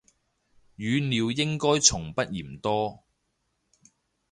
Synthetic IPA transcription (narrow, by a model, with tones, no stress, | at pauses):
jyː˨˧niː˨˧wjɪ˥ŋkɔː˥jt͡ʃʰʊ˨˩ŋpɐ˥t̚jiː˨˩mt̪ɔː˥